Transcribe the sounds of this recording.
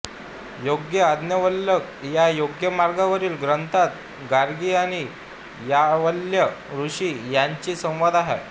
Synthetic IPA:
joɡjəad̪njəʋəlːək | jajoɡjəmaɾɡaʋəɾiːlɡɾənt̪ʰat̪ | ɡaɾɡiːaɽ̃i | jaʋəljəɾuɕiːjaɲt͡ɕiːsə̃w̃ʋad̪aɦḛ

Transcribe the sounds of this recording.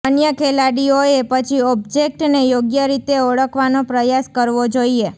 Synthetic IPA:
ənjəkʰelaɽioepət͡ʃʰiɔbd͡ʒek̚ʈnejoɡjəɾit̪eəɭəkʰʋanopɾəjaskəɾʋod͡ʒoie

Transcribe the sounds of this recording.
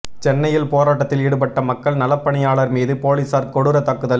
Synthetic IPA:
t͡ʃɛnːɐjɪlpoːɾaːʈːɐt̪ːɪliːɽɯpɐʈːɐmɐkːɐɭnɐlɐpːɐɳɪjaːɭɐɾmiːðɯpoːliːsaːɾkɔɽɯɾɐt̪ːɐkːɯðɐl

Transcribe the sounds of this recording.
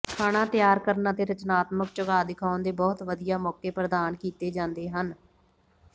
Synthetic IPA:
kʰaːɽ̃ãːt̪ɪjaːɾkəɾnãːt̪eːɾət͡ʃnaːt̪məkt͡ʃəɡaːd̪ɪkʰaːʊnd̪eːbɔːt̪ʋəd̪ijaːmɔːkeːpɾəd̪aːnkiːt̪eːd͡ʒãːnd̪eːɦən

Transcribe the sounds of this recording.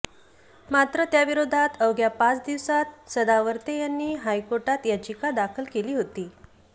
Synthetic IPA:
mat̪ɾət̪jaʋiɾod̪ʱat̪əʋɡjapat͡sd̪iʋsat̪̚səd̪aʋəɾt̪ejanːiːɦajkoɾʈat̪jat͡ɕikad̪akʰəlkeliːɦot̪iː

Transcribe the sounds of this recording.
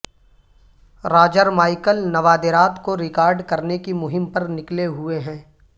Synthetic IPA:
ɾaːd͡ʒəɾmaːɪkəlnɐʋaːd̪ɪɾaːt̪koɾɪkaːɾɖkɐɾnekimʊɦɪmpɐɾnɪkleɦʊeɦɛ̃ː

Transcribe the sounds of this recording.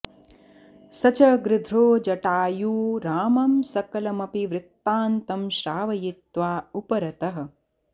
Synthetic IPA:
sɐt͡ʃɐɡɾɪd̪ʱɾoːd͡ʒɐʈaːjuːɾaːmɐmsɐkɐlɐmɐpiʋɾɪt̪ːaːnt̪ɐmʃɾaːʋɐjit̪ʋaːupɐɾɐt̪ɐɦɐ̆

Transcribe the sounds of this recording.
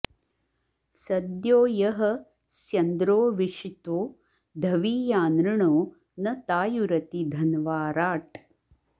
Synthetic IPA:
sɐd̪joːjɐɦɐ̆ | sjɐnd̪ɾoːʋiʂit̪oː | d̪ʱɐʋiːjaːnɾɐɳoː | nɐt̪aːjuɾɐt̪id̪ʱɐnʋaːɾaːʈ

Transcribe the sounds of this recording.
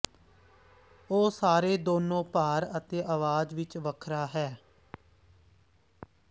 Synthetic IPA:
oːsaːɾeːd̪oːnõːpaːɾət̪eːʔəʋaːd͡ʒʋɪt͡ʃʋəkʰɾaːɦɛː

